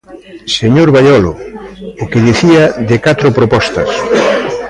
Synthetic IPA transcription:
seɲoɾβaʎɔlʊ̰ʊkɪðiθiɐðɪkat̪ɾʊpɾopɔst̪ɐs

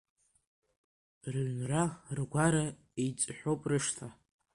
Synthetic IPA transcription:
rɥnrarɡʷaɾa | it͡sʼħʷᶣowpʼrɨʂtʰa

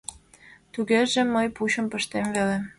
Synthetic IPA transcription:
t̪uɣeʒemːəjput͡ɕəmpəʃt̪emvele

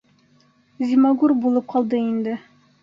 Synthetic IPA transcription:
zʲimɑɡuɾbulˠɤp̚qʰɑlˠd̪ɤind̪ɘ

